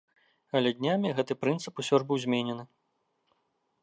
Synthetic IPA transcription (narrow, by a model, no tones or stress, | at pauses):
ɐlʲɛd̪ʲnʲamʲiɣɛt̪ɨpɾɨnt̪sɨpusʲɔʐbɨwzʲmʲenʲɛnɨ